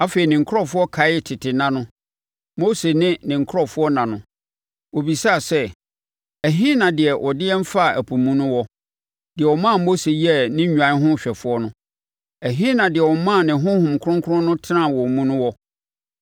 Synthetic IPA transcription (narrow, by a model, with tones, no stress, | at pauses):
a˦fe˨i˨nɪ̃˨ŋ˨kʰʊ˦ɾɔ˦fʊ˦ɔ˦kʰa˨ɪ˦tʰɪ˨tʰɪ˨nã˦nʊ̃˦ | mo˦se˨nɪ̃˦nɪ̃˨ŋ˨kʰʊ˦ɔ˨fʊ˦ɔ˦nã˨nʊ̃˨ | wo˨bi˨sa˦˨sɛ˦ | æ˨ɦĩ˦nã˨dɪ˨ɛ˨ʔɔ˨dɪ˦ɛ˦m˦fa˦˨æ˨pʰu˨mũ˦nʊ̃˦wɔ˦ | d̥ɪ˨ɛ˨wɔ˨mã˦˨mo˦se˨ji˦ɛ˦˨nɪ̃˦ɲᶣu˨ã˨˦ɦʊ̃˦˨ɕᶣɛ˨fʊ˦ɔ˦nʊ̃˦ | æ˨ɦĩ˦nã˨dɪ˨ɛ˨wɔ˨mã˦˨nɪ̃˨ɦʊ̃˦hʊ̃˨mkʰʊ̃˦ŋkʰʊ˦ɾʊ̃˦nʊ̃˦tʰɪ˦nã˦˨wɔ˨mũ˦nʊ̃˦wɔ˦